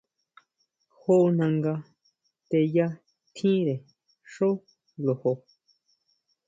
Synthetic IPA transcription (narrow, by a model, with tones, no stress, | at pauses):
ho˦nã˧ŋɡa˧ | t̪e˧ja˦ | t̪ʰĩ˦ɾe˨ | ʂo˦ | lo˨ho˧